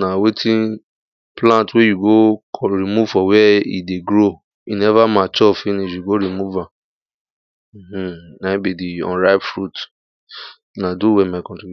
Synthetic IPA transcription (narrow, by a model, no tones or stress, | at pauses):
nãwetʰĩ | plãtwejuɡokʰɾimuvfɔwɛḭdeɡɾo | inɛvamat͡ʃɔfĩnĩʃjuɡoɾimuvã | h̩nabidiɔ̰̃nɾabfɹut | nãduwɛmakɔ̃tĩn